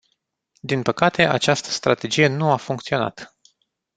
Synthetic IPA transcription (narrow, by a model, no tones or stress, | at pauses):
d̪inpəkat̪e̞ʔa̰t͡ʃast̪ə̥st̪ɾat̪e̞d͡ʒije̞nuafuŋk̚t̪sio̞na̰t̪